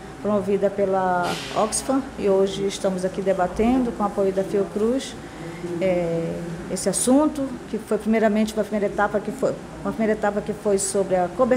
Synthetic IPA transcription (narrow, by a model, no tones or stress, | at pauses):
pɾomovid̪ɐpelɐɔksfɐ̃ɪoʒɪːʃt̪ɐ̃mʊzakid̪ebat̪ẽd̪ʊkõapojʊd̪ɐfiukɾuʃ | ɛ | esɪasũnt̪ʊkɪfojpɾimejɾɐmẽnt͡ʃɪũmɐpɾimejɾɐet̪apɐkɪfoj | ũmɐpɾimejɾɐet̪apɐkɪfojsobɾɪɐkobe